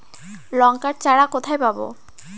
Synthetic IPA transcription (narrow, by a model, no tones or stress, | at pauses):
lɔŋkaɾt͡ɕaɽakot̪ʰajpabo̰